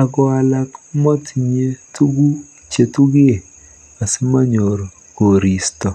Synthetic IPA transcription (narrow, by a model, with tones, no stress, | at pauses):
a˨ɡɔ˨a˨la˦kmɔ˦tɲe˦tu˦ɡu˦ | t͡ʃe˨tu˦ɡɪ˦e˨ | ka˨se˦ma˦ɲo˨ɾ | ɡo˨ɾi˨stɔ˨